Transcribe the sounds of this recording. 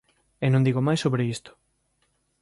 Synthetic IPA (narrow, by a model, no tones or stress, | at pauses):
enõnd̪iɣomajsoβɾeist̪o̥